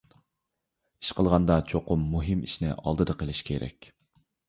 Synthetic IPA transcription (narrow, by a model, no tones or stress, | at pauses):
i̥ʃqəlˠʁɑnd̪ɑt͡ʃʰoqʊmːuɦɨmḭʃnɪ̰ʔɑ̰lˠd̪ɨd̪ɑqʰəlˠɪʃkʲʰeɾɛ̰kʲ